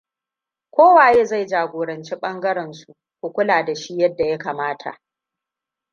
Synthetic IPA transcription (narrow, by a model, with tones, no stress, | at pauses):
kʷoː˦waː˨jeː˦za˦˨jd͡ʒaː˨ɡʷoː˨ɾɐ˨nt͡ʃi˦ɓɐ˦ŋɡɐ˦ɾɛ˨nsu˨ | kʷu˨kʷʊ˦laː˨da˨ʃi˦jɐ˦dːa˨ja˦kaː˨maː˦tʰa̰˨ʔ